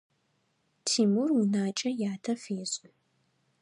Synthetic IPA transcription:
tʰiːmurwʊnaːt͡ʃʼɐjaːtʰɐfeːɕʼɪ

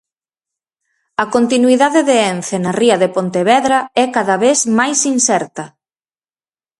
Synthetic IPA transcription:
ɐkont̪inuiðaðeðeɛnθenɐriɐðepont̪eβɛðɾɐɛkaðɐβesmajsinsɛɾt̪ɐ

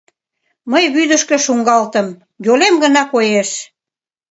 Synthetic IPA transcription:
məjβyd̪əʃkə̆ʃuŋɡɑlt̪əm | jolemɡənɑkojeʃ

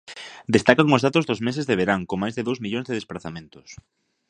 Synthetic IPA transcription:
d̪est̪akaŋʊzðat̪ʊzðʊzmes̬ezðeβeɾaŋkomajzðeðowzmiʎõŋzðeðespɾaθamẽnt̪ʊ̥s

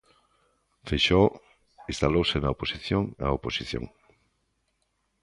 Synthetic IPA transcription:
feʃɔ | ist̪alowsenaoposiθjoŋa̰oposiθjo̰ŋ

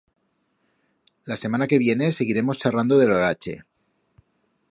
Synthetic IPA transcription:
lase̞manake̞β̞je̞ne̞se̞ɣ̞iɾe̞most͡ʃarand̪oðeloɾat͡ʃe̞̰

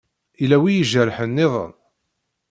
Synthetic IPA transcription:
ilæwijəʒəɾħənːɪðˤə̰n

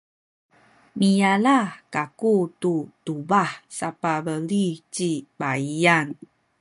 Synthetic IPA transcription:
mijalakakututubahsapabəlit͡ʃibaiaŋ

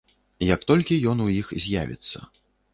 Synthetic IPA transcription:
jɐk̚t̪ɔlʲkʲijɔnujixzʲja̰vʲḭt̪sːɐ̰

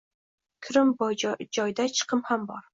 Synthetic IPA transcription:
kʲʰɾɪmbd͡ʒɒjd̪at͡ʃʰɨ̥qʰɨmhambɒɾ

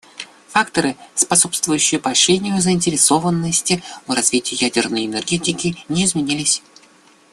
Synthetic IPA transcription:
fakt̪əɾɨspɐso̞pst̪vʊjʉɕːɪjʊpɐɕʲenʲɪjʊzəɪnʲtʲɪɾʲɪso̞vənːəsʲtʲɪvrɐzvʲitʲɪjɪjædʲɪrnəjɪnɛrɡʲetʲɪkʲɪnʲɪːɪzmʲɪnʲilʲɪsʲ

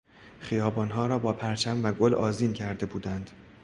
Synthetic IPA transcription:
χijɒːbɒːnɦɒːɾɒːbɒːpʰæɾt͡ʃʰæmvæɡolɒ̰ːziːncʰæɾd̪e̞buːd̪ænd̪̥

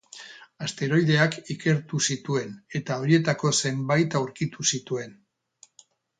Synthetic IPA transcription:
ast̪e̞ɾo̞jðe̞akike̞ɾt̪usit̪ue̞ne̞t̪ao̞ɾie̞t̪ako̞se̞mbajt̪awɾkit̪usit̪ue̞n

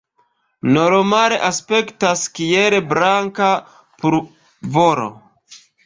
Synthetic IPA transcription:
noɾomaɾeʔaspe̞ktaskijeɾebɾaŋka | puɾ | voɾo̰

